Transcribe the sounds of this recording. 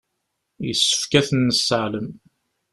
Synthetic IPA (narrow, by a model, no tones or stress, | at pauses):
jəsːə̥fkæθənːəsːəʕləm